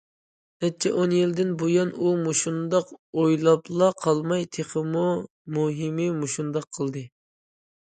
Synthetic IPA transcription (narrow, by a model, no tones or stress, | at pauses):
ɛt͡ʃʰɛʔonjild̪ɪnbojɑnumoʃund̪ɑqojlˠɑplˠɑqʰɑlˠmɑjt̪ʰeχəmu | muɦɪmɪmoʃund̪ɑqʰːəlˠd̪ɨ